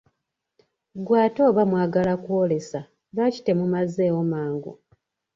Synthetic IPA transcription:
ɡwaːto̞ːβamwaːɡalakwole̞sa | βaci̥te̞mumaze̞ːwomaːŋɡo̰

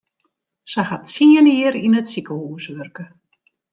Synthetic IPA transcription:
səhatsiəniːəɾinətsikəhuːsʋørkə

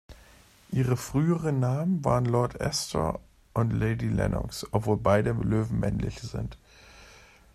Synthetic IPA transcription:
ʔiːʁ̞əfʁ̥yːəʁənːaːmənva̰ːʁənlɔɐtʔɛ̰stʰə̰ | ʔʊntleɪdilɛ̰nʔɔ̰ksʔɔpv̥oːlbaɪdəløːvn̩mɛ̰nlɪ̰çz̥ɪ̰nt

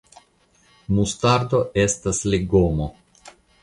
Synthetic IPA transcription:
mustaɾdo̞ʔe̞stasliɡo̞mo

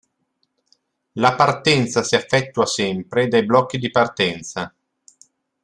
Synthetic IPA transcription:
lapart̪ɛnt̪sasiafːɛt̪ːuasɛmpɾed̪ajblɔkːid̪ipart̪ɛnt̪sa

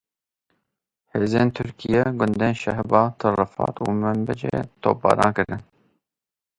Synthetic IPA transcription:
heːzeːnt̪ʰʊɾkʰijɛɡʊnd̪eːnʃɛhbɑːt̪ʰɨrɨfɑ̰ːt̪ṵːmɛmbɛd͡ʒḛt̪ʰo̰ːpɑ̰ːɾɑːnkɨɾɨn

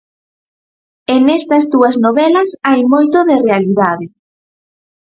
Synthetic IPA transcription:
eŋɛst̪ɐzd̪uɐznoβɛlɐsajmojt̪oðɪrealiðaðɪ

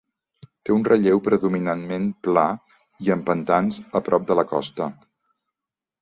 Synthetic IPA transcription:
t̪eunrəʎewpɾəðuminanmenpla | iəmpənt̪anzəpɾɔp̚d̪ələkɔ̰st̪ə

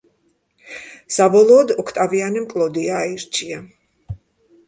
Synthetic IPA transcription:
sabɔlˠɔːd̪ɔkʰt̪ʼavianɛmkʼlˠɔd̪iaiɾt͡ʃʰia

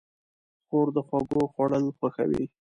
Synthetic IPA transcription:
xoɾd̪əxwɑɡoxwaɽəlxwaxa̰wḭ

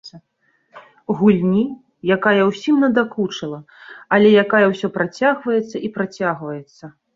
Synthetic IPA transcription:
ɣulʲnʲi | jakajɐwsʲimnɐd̪akut͡ʂɐlˠɐ | ɐlʲɛjakajɐwsʲɔpɾat͡sʲaɣvɐjɛt̪sːɐʔipɾat͡sʲaɣvɐjɛt̪sːɐ

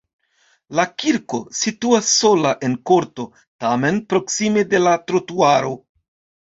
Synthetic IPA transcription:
lakiɾko̞situasːo̞laʔe̞nko̞ɾto̞ | tame̞npɾo̞ksimede̞latɾotuaɾo̞̰

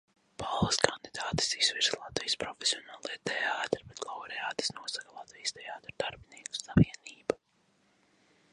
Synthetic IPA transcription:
palˠskand̪id̪aːt̪i̥siz̥viɾslˠat̪vijspɾɔfe̥siɔnaːlˠejt̪ɛaːt̪ɾbɛt̪lˠawɾɛaːt̪i̥snuɔsakalˠat̪vijst̪ɛaːt̪ɾd̪aɾbiniɛku̥saviɛniːba

